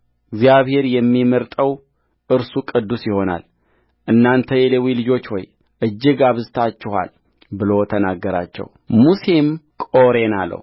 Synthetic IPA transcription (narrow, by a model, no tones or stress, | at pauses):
ɡzjaβhe̞ɾjɛmːiməɾt̪ʼəw | ʔɨɾsukʼɨd̪ːusjɪho̞na̰l | ʔɨnːant̪ʰəjelewilɨd͡ʒo̞t͡ʃːwɔj | ʔɨd͡ʒːɪɡaβɨzɨt̪ʰat͡ʃːɪha̰l | bɨlot̪ʰənaɡːəɾa̰t͡ʃːɛ̰w | musemkʼo̞ɾe̞nalːə̰w